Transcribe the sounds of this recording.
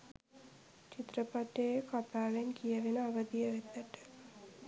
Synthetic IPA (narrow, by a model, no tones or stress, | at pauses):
t͡ʃit̪ɾəpat̪ejkat̪aːʋenkijəʋenəaʋəd̪ijəʋet̪ːəʈə̥